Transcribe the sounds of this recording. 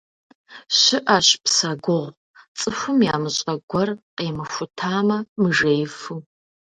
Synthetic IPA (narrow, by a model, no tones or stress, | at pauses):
ɕɪʔaɕpʰsɐɡʷʊʁʷ | t͡sʼɨfʷʊmjaːmɨɕʼɐɡʷɔrqeːmɨʃʷʊtʰaːmɐmɨʐejfu